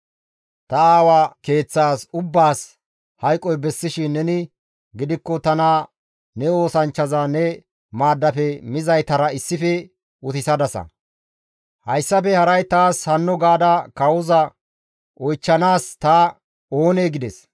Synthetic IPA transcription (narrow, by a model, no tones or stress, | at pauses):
t̪ɐaːwake̞ːt͡sːaːsʊbːaːs | hɐjkʼːɔjbɛsːɪʃɪnːɛnɪ | ɡɪd̪ɪkːɔt̪ɐna | nɛo̞ːsɐnt͡ʃːɐzaːnɛ | maːd̪ːɐfɛmɪzɐjt̪ɐɾɐɪsːɪfɛ | ʊt̪ɪsɐd̪ɐsɐ̰ | hɐjsːɐfɛhɐɾɐjt̪aːshɐnːɔɡaːd̪ɐkɐwʊzɐ | ʔɔjt͡ʃːɐnaːst̪ɐ | o̞ːneːɡɪd̪ɛs